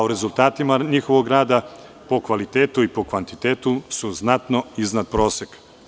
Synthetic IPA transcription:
uɾe̞zult̪aːt̪imaɲixo̞ʋoɡɾaːd̪a | po̞kʋalit̪eːt̪uipo̞kʋant̪it̪eːt̪usuznat̪no̞iznad̪̚pɾo̞ːse̞k

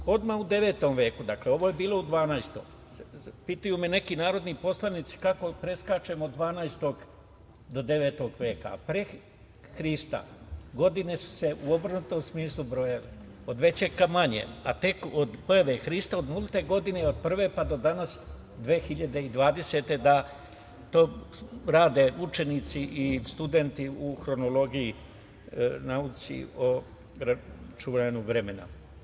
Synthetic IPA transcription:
o̞d̪maud̪e̞ʋe̞ːt̪o̞mʋe̞ːkud̪akle̞o̞ʋo̞jebiːlˠo̞ud̪ʋaːnajst̪o̰m | pit̪ujume̞ne̞kinaːɾo̞d̪nipo̞slˠanit̪si̥kako̞pɾe̞skat͡ʃe̞mod̪ːʋaːnajst̪o̞ɡ | d̪o̞d̪e̞ʋe̞ːt̪o̞ɡʋje̞ːka̰pɾe | xɾist̪a̰ɡo̞d̪ine̞su̥seʔuobɾnut̪o̞msmiːslˠubɾo̞jalḛ | od̪ʋe̞t͡ɕe̞ɡkamaɲḛat̪e̞kod̪pojaʋexɾist̪ao̞d̪molˠit̪e̞ɡo̞d̪ineo̞d̪̚pr̩ʋe̞pad̪o̞d̪anas | d̪ʋeːxiʎad̪e̞id̪ʋaːd̪e̞se̞t̪e̞d̪a | t̪o̞ːɾaːd̪e̞ut͡ʃe̞nit̪siʔist̪ud̪e̞nt̪iuxɾo̞nolo̞ɡiji | naut̪sḭo | ɾat͡ʃuʋaɲuʋɾe̞mena̰

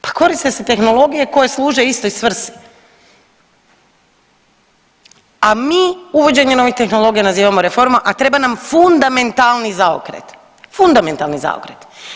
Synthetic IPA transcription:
pḁko̞ɾist̪e̞set̪e̞xno̞lˠo̞ɡijeko̞je̞slˠuːʒe̞ist̪o̞isʋr̩si̥ | amiːuʋo̞d͡ʑe̞ɲe̞no̞ʋixt̪e̞xno̞lˠo̞ɡijanaziːʋamoɾefo̞ɾmaʔat̪ɾe̞banamfund̪ame̞nt̪alˠnizao̰kɾḛt̪ | fund̪ame̞nt̪alˠniza̰o̰kɾḛt̪

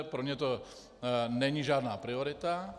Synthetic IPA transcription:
pɾɔmɲɛt̪ɔ | ɲɛɲiʒɪaːd̪naːpɾiɔɾit̪a

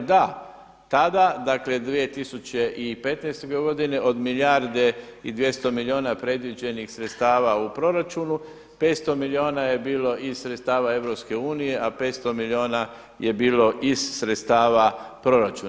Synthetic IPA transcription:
d̪a | t̪ad̪ad̪akle̞d̪ʋie̞t̪isut͡ɕeʔipe̞t̪najst̪oɡeɡo̞d̪ine̞ʔod̪miljaɾd̪e̞id̪ʋje̞st̪o̞milio̞ːnapɾe̞d̪ʋid͡ʑe̞nixsɾet̪st̪aːʋaupɾo̞ɾat͡ʃunu | pe̞t̪st̪o̞milio̞ːnaje̞biːlo̞ʔizsɾet̪st̪aːʋae̞ʋɾo̞pske̞uːnije̞ʔape̞ːt̪st̪o̞milio̞ːna | jebiːlo̞ʔizsɾet̪st̪aːʋapɾo̞ɾat͡ʃuːn

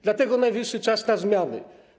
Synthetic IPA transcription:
d̪lat̪ɛɡɔnajvʲiʂːɘt͡ʂasnazmʲjanɘ̰

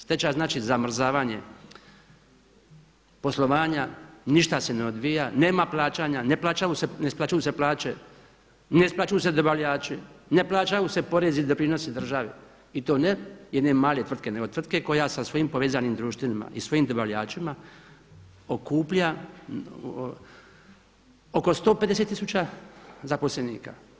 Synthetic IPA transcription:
st̪e̞t͡ɕaznaːt͡ʃizamr̩zaːʋaːɲe̞ | po̞slˠo̞ʋaːɲaniʃt̪ase̞neod̪ʋijane̞ːmaplˠaːt͡ɕaːɲaneplˠaːt͡ɕajusenesplat͡ʃajuːse̞plˠaːt͡ɕe | neisplˠat͡ʃujuːse̞d̪obaʋʎaːt͡ʃine̞plˠaːt͡ʃajuse̞po̞ɾe̞zid̪o̞pɾino̞sed̪r̩ʒaʋe | it̪o̞ːnejed̪nemaːle̞t̪ʋr̩d̪kene̞ɡo̞t̪ʋr̩d̪̚ke̞ko̞jasasʋo̞jimpo̞ʋeːzanimd̪ɾuːʃt̪ʋinima̰ʔisʋo̞jiːmd̪obaʋʎaːt͡ʃima | okuːpʎa | oko̞st̪o̞ːpe̞d̪e̞set̪ːisut͡ɕazapo̞slenḭːka̰

